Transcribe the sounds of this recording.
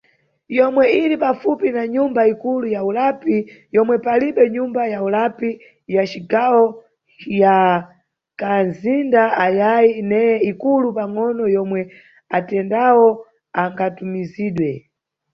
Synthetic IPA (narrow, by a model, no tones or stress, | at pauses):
jɔmwɛiɾipafupinaɲumbaikulujaulapijɔmwɛpaliɓɛɲumbajaulapi | jat͡ʃiɡawɔ | ja | kanzindaajajinɛjɛikulupaŋɔnɔjɔmwɛ | atɛndawɔ | aŋɡatumiziːɗwɛ